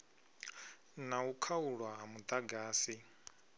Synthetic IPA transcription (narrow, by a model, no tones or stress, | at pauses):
naukʰauɺwaɦamud̪aɡaːsi